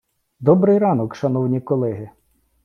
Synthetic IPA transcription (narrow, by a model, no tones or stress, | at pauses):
d̪ɔbɾɪjɾɑnɔkʃɐnɔwnʲikɔlˠɛɦɪ